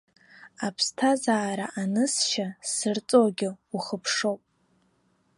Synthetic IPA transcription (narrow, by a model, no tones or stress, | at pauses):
apʰstʰazaːɾaʔanɨsʃasɨrt͡sʼoɡʲɪuχəpʰʂowpʼ